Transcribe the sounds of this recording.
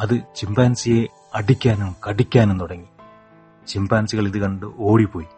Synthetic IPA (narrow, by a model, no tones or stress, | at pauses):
ɐðɨt͡ɕimbaːnsije | ɐɽikʲːaːnumkɐɽikʲːaːnent̪uɽɐŋːi | t͡ɕimbaːnsiɣɐɭiðɨkɐɳɖɨʔoːɽipːo̞ːji